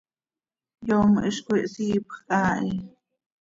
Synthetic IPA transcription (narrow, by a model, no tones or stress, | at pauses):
joːmʔəʃkʷiʔsiːpχqʼaːʔiː